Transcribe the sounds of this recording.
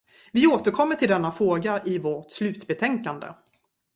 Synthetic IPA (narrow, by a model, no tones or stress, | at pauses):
vɪoːt̪əɾkʰɔmːəʈʰɪld̪ɛnːafɾoːɡaʔɪvɔʈslʉ̟ːt̪bɛt̪ʰɛŋkand̪ə̰